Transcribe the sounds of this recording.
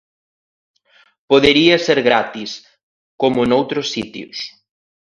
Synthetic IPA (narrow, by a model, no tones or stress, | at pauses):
poðeɾiɐseɾɣɾat̪is | komʊnowt̪ɾʊsːit̪jʊ̰s